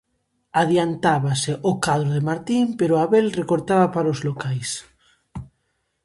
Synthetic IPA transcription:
aðjant̪aβaseʔokaðɾoðemaɾt̪impeɾoaβelrekoɾt̪aβapaɾaozlokajs

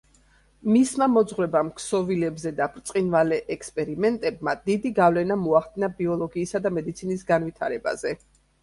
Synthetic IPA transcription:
mismamɔd̪zʁɾɛbamkʰsɔvilɛbzɛd̪abʰɾt̪sʼqʼinvalɛʔɛkspʼɛɾimɛnt̪ʼɛbmad̪id̪iɡavlɛnamɔaχd̪inabiɔlˠɔɡiːsad̪amɛd̪it̪sʰinisɡanvit̪ʰaɾɛba̰zɛ

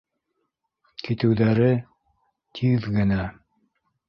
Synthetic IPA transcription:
kit̪ɘ̆wðæɾɘ | t̪ʰiðɡɘ̆næ

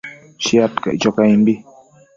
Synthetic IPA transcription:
ʃiat̪ka̰jt͡ʃokaĩmbi

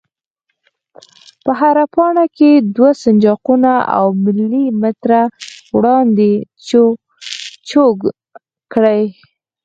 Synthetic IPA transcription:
pəɦaɾapɑɳaked̪wasand͡ʒɑqunaa̰wmɪlːimɪt̪ɾawɽɑnd̪e | t͡ʃoɡ | kɽaj

